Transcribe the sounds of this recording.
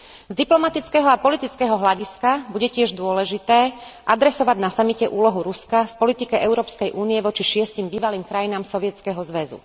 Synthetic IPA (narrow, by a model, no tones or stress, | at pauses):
zd̪iplɔmat̪it͡skɛɦɔapɔlit̪it͡skɛːɦɔɦlaɟiskabuɟɛcɪɛʒd̪ʊɔlɛʒit̪ɛːʔad̪ɾɛsɔʋaɟnasamicɛʔuːlɔɦuɾuskafpɔlit̪ikɛʔɛʊɾɔːpskɛjʔuːnijɛʋɔt͡ʃiʃɪɛscimbiːʋaliːmkɾajinaːmsɔʋɪɛt͡skɛɦɔzʋɛzṵ